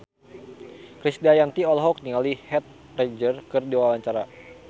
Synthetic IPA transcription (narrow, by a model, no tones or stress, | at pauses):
kɾisdajant̪iɔlɦɔk̚niŋalihɛt̪̚ | rɛd͡ʒərkɨrdiwawaɲt͡ʃaɾa